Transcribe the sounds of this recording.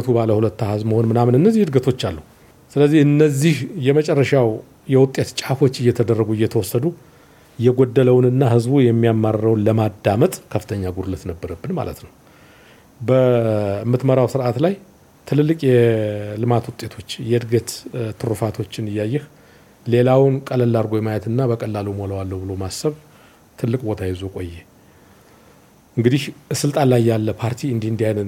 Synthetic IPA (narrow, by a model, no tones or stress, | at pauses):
t̪ʰubaləhulət̪ːahazməho̞nmɨnamnɨnːəzːihɨd̪ɡət̪ʰo̞t͡ʃːalːuhu | sɨləzːiɨnːəzːihjɛmət͡ʃʼɛrːəʃaw | jɛwʊt̪ʼːe̞t̪t͡ʃʼafo̞t͡ʃːɨjːɛt̪ʰəd̪ərːəɡuɪjːɛt̪ʰəwɔsːəd̪u | jɛɡod̪ːələwnɨnːahɨzbujɛmːijamːaɾəɾəwnləmad̪ːamət̪ʼkʰəfːɨ̥t̪ʰəɲːaɡuɾlət̪nəbːəɾəbːɨnma̰lə̰t̪nəw | bəmːɨt̪məɾawsɨɾʔat̪laj | t̪ʰɨlɨlːɨkʼjɛlɨmat̪wʊt̪ʼːe̞t̪ʰo̞t͡ʃːjɛɨd̪ɡət̪t̪ʰɨɾufat̪ʰo̞t͡ʃːɪnɨjːajːɛh | le̞lawnkʼələlːaɾɡo̞jmajɛt̪ɨnːabəkʼəlːalumo̞ləwalːəwbɨlo̞masːəβ | t̪ʰɨlːɨkʼbo̞t̪ʰajɛzo̞kʼo̞jːe | ʔɨŋɡɨd̪ihsɨlt̪ʼanlajːalːəpʰaɾt̪ʰiɨnd̪ihɨnd̪ihajnə